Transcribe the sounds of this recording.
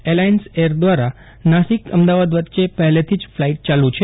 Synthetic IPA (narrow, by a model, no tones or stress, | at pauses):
elainseɾd̪ʋaɾa | naʃikəmd̪aʋad̪ʋət̪ːʃepɛɦɛlet̪ʰid͡ʒflaiʈ̚t͡ʃalũt͡ʃʰe